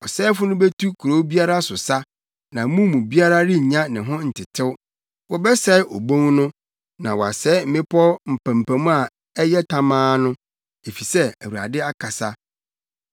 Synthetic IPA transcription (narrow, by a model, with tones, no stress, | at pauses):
ɔ˨sɛː˦fʊ˦nʊ̃˦be˦tʰu˦kʰu˨ɾo˦bi˦a˦ɾa˦sʊ˨sa˦ | nã˨mũ˦mũ˨bi˦a˦ɾa˦ɾɪ˦ɲ̩˨ɲã˦nɪ̃˨ɦʊ̃˦n̩˨tʰɪ˨tʰɪ˦w | wɔ˨bɛ˦sɛ˦ʔɔ˨bõ˦ŋnʊ̃˦ | nã̰˨wɔ˨a˨sɛː˦m̩˦mɪ̃˦pʰɔ˦m̩˨pʰã˨m̩˨pʰæ̃˨mũ˦a˨ | ɛ˦jɛ˦tʰa˨mãː˦nʊ̃˦ | e˨fi˨sɛ˦æ̰˨wu˨a̰˨dɪ˦a˦kʰa˨sa˦